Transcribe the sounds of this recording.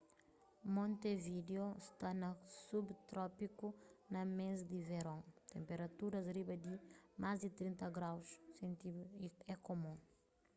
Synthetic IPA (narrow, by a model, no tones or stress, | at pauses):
mõnt̪evid̪eost̪anɐsubt̪ɾɔpikunɐmẽzd̪iveɾɐ̃t̪ẽmpeɾɐt̪uɾɐzɾibɐd̪imazd̪it̪ɾĩnt̪ɐɡɾawssẽnt̪iɛkomũ